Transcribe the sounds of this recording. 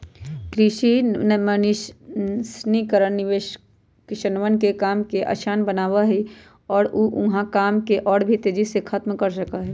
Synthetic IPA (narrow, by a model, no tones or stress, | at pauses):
kɾɪʃinmənɪʃʃnikəɾənniʋeːʃ | kɪʃənʋənkekaːmkeʔa̰ːʃaːnbənaːwaɦɛ | ɔːɾuʔʊɦãkaːmkeʔɔːɽbʱit̪eːd͡ʒisekʰət̪mkəɾsəkaɦɛː